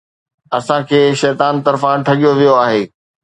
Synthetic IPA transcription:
ɐsãkʰeːʃɛːt̪aːnt̪ɐɾfãʈʰɐɠijoʋijoaːɦeː

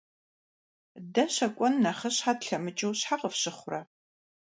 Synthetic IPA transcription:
dɐɕɐkʷʼɔnːɐχɐɕħaːdɬɐmɨt͡ʃʼɨwɕħaqəfɕɪχʷʊrɐ

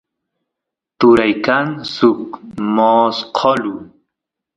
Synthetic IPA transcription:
t̪uɾajkansukmosqʰɔlu

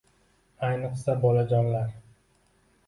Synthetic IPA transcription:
ajnɨqsabɒlad͡ʒɒnlaɾ

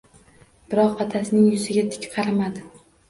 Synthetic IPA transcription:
b̥ɪɾɒqɑt̪ʰasɪnɪŋjʊzɪɡʲat̪ʰɪ̥kʲqʰɑɾamad̪ɪ

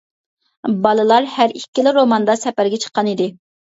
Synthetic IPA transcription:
bɑlˠɨlˠɑɾhæɾikʲːilɪɾomɑnd̪ɑsɛpæɾɡʲɛt͡ʃʰə̥qːɑnid̪ɪ

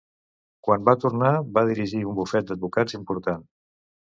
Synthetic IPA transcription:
kwambat̪uɾnaβaðiɾiʒiumbufɛt̪̚d̪əd̪̚βukazimpuɾt̪an

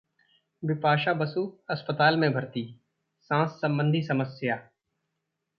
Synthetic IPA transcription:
ʋɪpaːʃabəsuːɐspət̪aːlmẽbʱɐɾt̪iː | sãːsːɐ̃mbə̃nd̪ʱisɐməsjaː

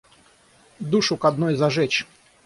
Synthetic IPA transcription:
d̪uʂʊkɐd̪nojzɐʐɛt͡ɕ

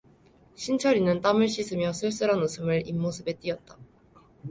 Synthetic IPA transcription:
ɕʰint͡ɕʰʌɾinɯnt͈amɯɭɕ͈isʰɯmjʌsʰɯɭs͈ɯɾanosʰɯmɯɭimːosʰɯbe̞t͈iʌt̚t͈a

